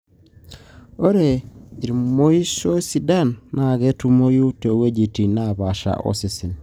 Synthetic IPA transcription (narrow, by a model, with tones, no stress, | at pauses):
o˦ɾe˨i˨ɾi˨mo˦i˦so˦si˦da˦˨nːa˨ɣe˦tu˦mo˦ju˦te˨we˦d͡ʒi˨ti˨naβa˨ʃa̰˨ʔo̰˦si˨si˨n